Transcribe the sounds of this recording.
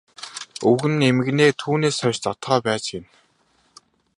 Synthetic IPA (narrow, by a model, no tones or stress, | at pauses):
ɵɣɘ̆nemɘ̆ɣneːt̪ʰuːneːsœwʲt͡ɕt͡sɔt̪χœːpæːt͡ɕɪ̆n